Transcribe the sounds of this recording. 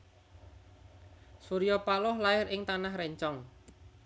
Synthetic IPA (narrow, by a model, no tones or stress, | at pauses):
suɾijɔpalɔhlaɪɾɪŋt̪anahrɛɲt͡ʃɔŋ